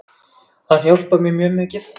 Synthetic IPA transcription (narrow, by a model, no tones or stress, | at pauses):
ahjowlpamjɛmjœːmɛcɪθ